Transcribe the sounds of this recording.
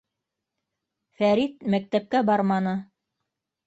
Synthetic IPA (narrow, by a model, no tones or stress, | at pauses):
fæɾit̪mæk̚t̪æp̚kæbɑɾmɑnɤ